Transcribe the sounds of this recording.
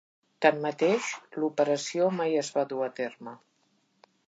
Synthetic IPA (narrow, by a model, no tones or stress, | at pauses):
t̪anmət̪eʃlupəɾəsiomajəzβaðuət̪ermə